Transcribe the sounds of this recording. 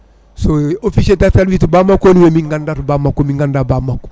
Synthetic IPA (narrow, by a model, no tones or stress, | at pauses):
soofisetatalwitubamakonuwemiŋɡandatubamakːomiŋɡandabamak